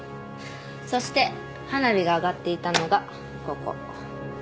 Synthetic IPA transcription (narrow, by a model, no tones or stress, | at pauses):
so̞ɕi̥t̪e̞ | hanabʲiɡaːɡat̪ːe̞it̪ano̞ɡa | ko̞ko̰